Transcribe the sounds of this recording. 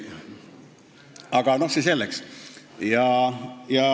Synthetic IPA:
ɑɡ̥ɑno̞hsiselːeks | jɑjɑ

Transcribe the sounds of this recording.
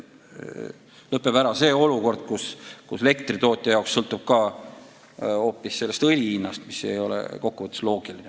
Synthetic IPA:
lɤpːebæɾɑse̞ːo̞luko̞rd̪̥̚kuskusele̞kt̪rit̪o̞ːt̪ʲːˑjɑjɑˑoksːɤlt̪ːˑub̥kɑ | o̞ːpːˑisːe̞lːe̞st̪ɤlʲiinːɑst̪misejo̞lḛko̞kːuvət̪ːˑu̥slo̞ːɡ̥iline

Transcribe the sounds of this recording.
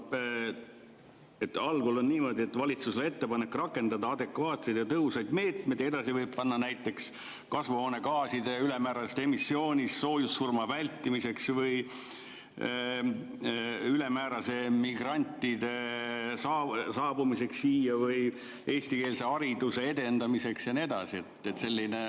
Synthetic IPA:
e̞t̪ːɑlɡulo̞nniːmo̞ːd̪ʲie̞t̪ːvɑlʲit̪susele̞t̪ːe̞pɑne̞kːrɑkːˑe̞nd̪ɑd̪ɑɑd̪̥e̞kvɑːt̪sejd̪jɑt̪ɤɦusɑjd̪me̞ːt̪mejd̪̥ed̪ɑsivɤjb̚pɑnːɑnæjt̪ːˑe̞ks | kɑsvuɦoːne̞kɑːsid̪̥eyle̞mæːɾɑst̪e̞misːio̞ːnʲisːo̞ːjusːurmɑvælʲt̪ːˑimise̞ksvɯj | yle̞mæːɾɑse̞miɡ̥rɑnʲt̪ːˑid̪e̞sɑːsɑːbumise̞ksːiːjɑvɯj | e̞ːst̪ike̞ːlse̞ɑɾid̪̥use̞e̞d̪e̞nd̪̥ɑmise̞ksjɑnied̪̥ɑ̰sie̞t̪et̪se̞lʲːine

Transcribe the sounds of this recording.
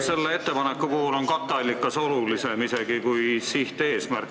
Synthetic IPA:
se̞lːee̞t̪ːe̞pɑnekːˑukoːlo̞nkɑt̪ˑːɑlʲːikːˑɑso̞lulise̞mise̞ɡ̥ikujsiht̪e̞ːsmærkː

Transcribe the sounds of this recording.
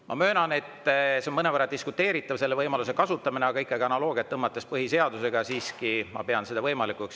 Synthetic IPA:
mʔɑ̰mø̞ːnɑne̞t̪ːˑseonmɤne̞vəɾɑd̪iskut̪ːˑe̞ːɾit̪ːˑɑvse̞lːe̞vɤjmɑlus̬e̞kɑsut̪ːˑɑmineɑɡ̥ɑikːˑɑɡiɑnɑlo̞ːɡ̥iɑt̪ːɤmːɑt̪ːˑespɤɦise̞ɑd̪̥use̞ɡ̥ɑsiːskimɑ̰pe̞ɑnsed̪ɑvɤjmɑlikˑuks

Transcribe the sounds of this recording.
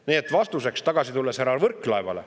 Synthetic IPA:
niːet̪ːˑvɑst̪use̞kst̪ɑɡ̥ɑsit̪ulːeshæɾɑvɤrkːˑlɑevɑ̰lḛ

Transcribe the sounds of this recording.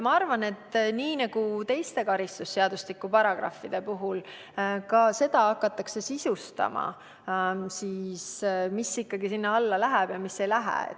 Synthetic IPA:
mɑɑrvɑne̞t̪ːniːnɑɡ̥ut̪e̞jst̪e̞kɑɾist̪usːeɑd̪̥ust̪likːupɑɾɑɡ̥rɑ̰fːid̪̥e̞puɦul | kɑse̞d̪̥ɑɑkːˑɑt̪ːˑɑkse̞sisust̪ɑ̰mɑ̰ | siːsmisːikːɑɡisinːɑɑlːɑlæɦɛb̥jɑmisːejlæɦɛ̰ḛ

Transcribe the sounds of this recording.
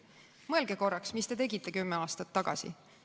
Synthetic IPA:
mɤelɡeko̞rːɑksmist̪e̞t̪eɡit̪ːˑe̞kymːeɑːst̪ɑt̪ːɑɡ̥ɑ̰sḭ

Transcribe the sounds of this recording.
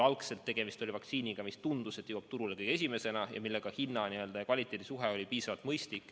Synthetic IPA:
ɑlkse̞lt̪ːe̞ɡ̥emist̪o̞lʲivɑk̚t̪siːnʲiɡ̥ɑmist̪und̪uset̪juwɑb̥̚t̪uɾule̞kɤjɡ̥ee̞s̬ʲime̞se̞nɑjɑ̰milːe̞ɡ̥ɑhinːɑniø̞ld̪ɑjɑkvɑlʲit̪ˑːe̞ːd̪̥isuɦeo̞lʲipiːsɑvɑlt̪mɤjst̪ikːˑ

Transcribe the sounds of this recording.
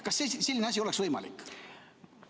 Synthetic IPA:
kɑsːeselʲːineɑs̬ʲio̞lɛksvɤjmɑ̰lḭkːˑ

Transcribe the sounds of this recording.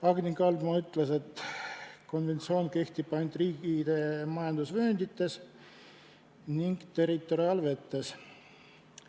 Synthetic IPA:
pɑːɡ̥nikɑlmɑyt̪ːˑle̞se̞t̪ː | ko̞nve̞nt̪sio̞ːnke̞ht̪ip̚pːɑjnʲd̪riːɡid̪̥emɑjɑnd̪̥usvøːnd̪it̪ːe̞s | niŋɡ̥t̪e̞rːit̪ːˑo̞ɾiɑːlve̞t̪ːe̞s

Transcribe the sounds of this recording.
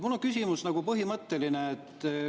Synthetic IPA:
mulːoŋkysʲimusnɑɡ̥upɤɦimɤt̪ːelineet̪ːˑ

